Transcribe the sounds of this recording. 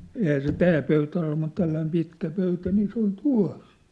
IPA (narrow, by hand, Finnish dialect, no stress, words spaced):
ehæː se tæː pøytæ ol mut tælːæim pitkæ pøytæ niː se ol tuɑ̝s